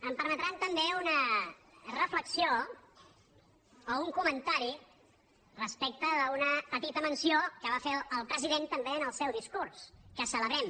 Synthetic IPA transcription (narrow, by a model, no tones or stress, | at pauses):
əmpəɾmət̪ɾant̪əmbeunə | rəfləksio | ouŋkumənt̪aɾi | rəspek̚t̪əðəunəpət̪it̪əmənsiokəβafeəlˠpɾəziðent̪əmbeənəlˠsɛwðiskurskəsələβɾɛm